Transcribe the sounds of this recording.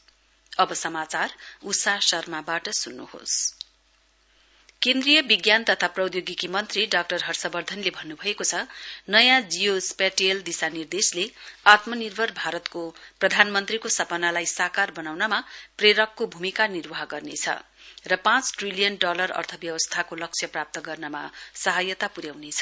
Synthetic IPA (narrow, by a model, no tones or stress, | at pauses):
ʌbʌsʌmat͡sarusasʌrmabaʈʌsunːṵho̰s | kẽnd̪rijʌbiɡjant̪ʌt̪ʰaprʌwd̪joɡikimʌnt̪riɖak̚ʈʌrɦʌrsʌbʌrd̪ʱʌnlebʱʌnːubʱʌekot͡sʰʌnʌjãd͡zijospaʈijeld̪isanird̪esleat̪mʌnirbʱʌrbʱaɾʌt̪koprʌd̪ʱanmʌnt̪rikosʌpʌnalajsakarbʌnawnʌmapreɾʌkːobʱumikanirbaɦɡʌrnet͡sʰʌ̰ | rʌpãt͡sʈrilijʌnɖʌlʌrʌ̰rt̪ʰʌbjʌbʌst̪ʰakolʌk̚t͡sʰjʌprap̚t̪ʌɡʌrnʌma̰sʌɦajʌt̪apuɾjawnet͡sʰʌ̥